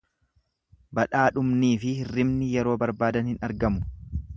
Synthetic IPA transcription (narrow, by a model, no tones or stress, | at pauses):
bɐᶑaːᶑʊmniːfɪhɪrːɪmnɪjɛɾo̞ːbɐɾbaːd̪ɐnhɪnɐɾɡɐmʊ̥